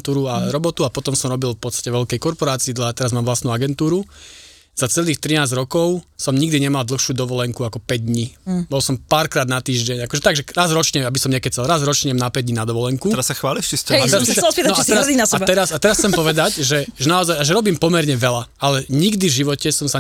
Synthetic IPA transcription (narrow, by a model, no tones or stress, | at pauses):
nt̪uːɾuaɾɔbɔt̪uapɔt̪ɔmsɔmɾɔbilfpɔt̪st̪ḁcɛʋɛʎkɛjkɔɾpɔɾaːt͡siːd̪lat̪ɛɾazmaːmʋlastnuaɡɛnt̪uːɾu | z̥at͡sɛliːxt̪ɾinaːzɾɔkɔʊsɔmɲiɡd̪iɲɛmald̪l̩ˠxʃuːd̪ɔʋɔlɛŋkuakɔpɛɟ̚d̪ɲibɔlsɔmpaːɾkɾaːd̪nat̪iːʒɟɛɲakɔʒɛt̪aɡʒɛɾazɾɔt͡ʃɲɛabisɔmɲɛakɛc̚t͡sɛlɾazɾɔt͡ʃɲɛmnapɛɟd̪ɲinad̪ɔʋɔlɛŋkuɛɾasːaxʋaːliʃt͡ʃisɛat̪ɛɾassisit̪nɔat̪ɛɾad̪inasɛabt̪ɛɾasat̪ɛɾasxt͡sɛmpɔʋɛd̪acʒɛʒɛnaɔzajaʒɛɾɔbiːmpɔmɛɾɲɛʋɛlaalɛɲiɡd̪ivʒiʋɔcɛsɔmsa